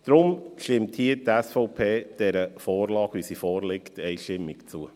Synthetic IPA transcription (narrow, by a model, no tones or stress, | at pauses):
d̥ɾʊmʃtɪmthiːtɛsfɔʊpʰeːd̥ɛɾəfɔːɾlɑːɡ̥ʋisifɔːɾlɪktɛjʃtɪmːɪkt͡suə